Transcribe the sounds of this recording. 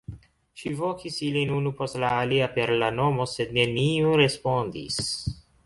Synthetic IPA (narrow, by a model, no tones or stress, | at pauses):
ʃivokisilinunupo̞stlaːliape̞ɾlano̞mo̞se̞d̪ne̞niuɾe̞spo̞nd̪ḭs